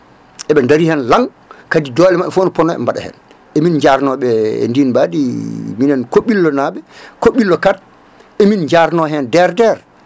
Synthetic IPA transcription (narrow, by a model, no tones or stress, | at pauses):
ʔɛɓɛndaɾihɛnlaŋ | kadidɔlɛmaɓɛfonɔpɔnɔɛ̰mbaɗa̰hɛ̰n | ʔɛmind͡ʒaɾnɔɓɛ̰ndinbadiminɛnkoɓːilːɔnaɓɛkoɓːilːɔkat̚ | ʔemind͡ʒaɾnɔɦɛndɛɾdɛɾ